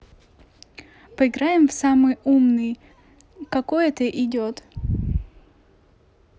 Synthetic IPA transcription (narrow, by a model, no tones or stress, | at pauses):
pəɪɡɾajɪmfsamɨjumnɨj | kɐkojɛt̪əʔɪdʲot̪